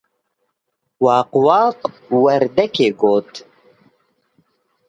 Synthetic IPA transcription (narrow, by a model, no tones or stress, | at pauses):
wɑːqwaːq | wɐɾd̪ɛkʰeːɡoːt̪